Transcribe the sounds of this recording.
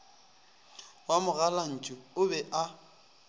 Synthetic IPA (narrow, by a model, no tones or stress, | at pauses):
wamʊɣalan̩t͡ʃʼʊʊbɛʔa